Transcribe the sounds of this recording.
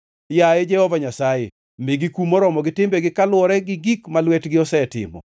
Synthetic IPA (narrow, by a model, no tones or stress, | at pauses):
jaed͡ʒɛhɔvaɲasajḛ | mɪɡikumɔɾɔmɔɡɪtɪmbɛɡɪkalwɔɾɛɡɪɡikmalwɛtɡɪɔsɛtɪ̰mɔ̰